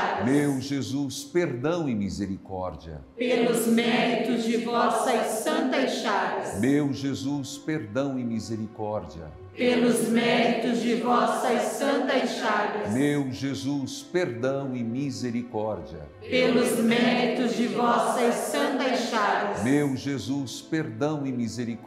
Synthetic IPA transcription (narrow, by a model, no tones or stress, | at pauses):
mewʒezuspeɾd̪ɐ̃w̃ẽmizeɾikɔ̰ɾd͡ʒiɐ̰pellʊzmɛɾit̪ʊzd͡ʒɪvɔsɐsɐ̃nt̪ɐʃavɐsmewʒezuspeɾd̪ɐ̃w̃ĩmizeɾikɔɾd͡ʒiɐ̰ | pelʊzmɛɾit̪ʊzd͡ʒɪvsɐsɐ̃nt̪ɐʃavɐmewʒezuspeɾd̪ɐ̃w̃ɪ̃mizeɾikɔɾd͡ʒiɐ̰ | pelʊzmɾit̪ʊzd͡ʒɪvɔsɐsɐ̃nt̪ɐʃavɐsmewʒezuspeɾd̪ɐ̃w̃ɪ̃mizeɾik